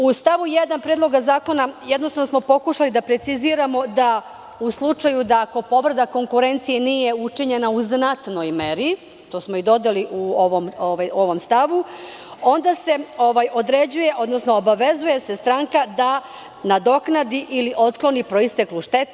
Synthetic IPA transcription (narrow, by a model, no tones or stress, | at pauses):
ust̪aʋujed̪anpɾeːd̪loɡazaːko̞najed̪not̪avnosmo̞po̞kuʃalid̪apɾet̪siziːɾamo̞d̪a | uslˠut͡ʂajud̪aːko̞po̞ʋɾd̪ako̞ŋkuɾe̞nt̪sijeniːje̞ut͡ʂiɲe̞nauznat̪no̞jmeɾi | t̪o̞ːsmo̞id̪o̞d̪eliʔuoʋomoʋajo̞ʋo̞mst̪aʋu | o̞nd̪ase̞o̞ʋajo̞d̪ɾe̞d͡ʑuje̞ʔo̞d̪nosnoːbaʋe̞zuje̞se̞st̪ɾaːŋkad̪a | nad̪o̞knad̪iʔiliʔo̞t̪klˠo̞nipɾo̞ist̪eklˠuʃt̪et̪